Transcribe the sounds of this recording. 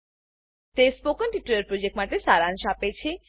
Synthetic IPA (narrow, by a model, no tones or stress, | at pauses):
t̪espokənʈiʈuəɾpɾod͡ʑek̚ʈmaʈesaɾanʃapet͡ɕʰe